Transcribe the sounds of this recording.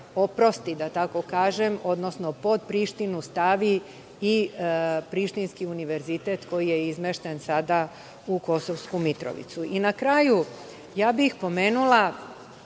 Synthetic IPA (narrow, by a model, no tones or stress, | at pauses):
o̞pɾo̞st̪id̪at̪ako̞kaːʒemo̞d̪no̞sno̞po̞d̪̚pɾiʃt̪inust̪aʋi | i | pɾiʃt̪inskiuniʋe̞ɾzit̪e̞t̪ko̞jije̞izmeʃt̪ensad̪a | uko̞soʋskumit̪ɾo̰ʋḭt̪suinakɾaːju | jaːbixpo̞meːnulˠa